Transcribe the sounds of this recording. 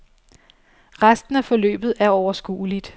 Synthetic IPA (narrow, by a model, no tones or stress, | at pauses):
ʁasd̥n̩æfɒ̽lø̰ːb̥ð̩ˠæɐɒʊɐsɡ̥ṵːlid̥